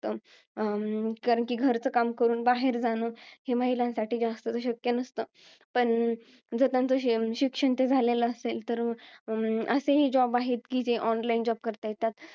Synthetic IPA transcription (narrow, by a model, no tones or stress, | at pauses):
t̪ə | kaɾəɳkiɡʱəɾt͡səːkamkəɾuːnbaɦeɾd͡zanohemaɦilãnsaʈiːd͡zast̪ət͡s̪əɕəkjənəst̪ə | pəɳ | d͡zət̪ãnt͡səɕikʂəɳt̪ed͡zʱaleləəselt̪əɾ | əseɦed͡ʑɔbaɦet̪kiːd͡zeʔɔnlaind͡ʑɔb̚kəɾt̪ajet̪at̪